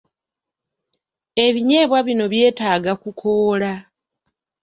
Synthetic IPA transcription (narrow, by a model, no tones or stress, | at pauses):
e̞βiɲe̞ːβwaβino̞βje̞ːtaːɡakukʰo̞ːla